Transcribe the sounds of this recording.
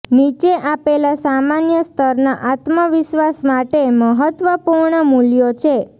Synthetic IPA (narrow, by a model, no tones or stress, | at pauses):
nit͡ʃeʔapelasamanjəst̪ʰəɾnaʔat̪məʋɪʃʋasmaʈeməɦət̪ʋəpuɾɳəmuljot͡ʃʰe